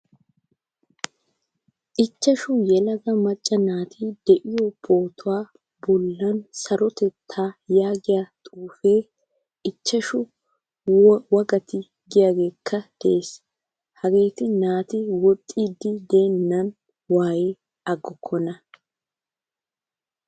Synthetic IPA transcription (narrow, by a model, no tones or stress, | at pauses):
ʔɪt͡ʃːɐʃʊjɛlɐɡɐmɐt͡ʃʼːɐnaːt̪ʰiːd̪̥ɛʔɪjɔbo̞ːt̪ʊwaː | bɔlːɐnsɐɾɔt̪ɛt̪ʰːaːjaːɡɪjat̪ʼuːfeː | ʔɪt͡ʃːɐʃʊ | wɐɡɐt̪ɪ | ɡɪjaːɡe̞ːkʰːɐd̪̥ɛeːs | hɐɡe̞ːt̪ɪnaːt̪ɪwɔt̪ʼːiːd̪ɪd̪e̞ːnːɐn | waːjɪ | ɐɡːɔkʰːɔnɐ